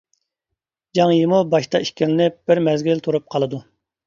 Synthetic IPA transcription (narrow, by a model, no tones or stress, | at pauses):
d͡ʒɑŋjimubɑʃt̪ɑiʃkʲilɪnɪp̚b̥ɪɾmɛzɡʲilt̪ʰuɾup̚qʰɑlˠɨd̪u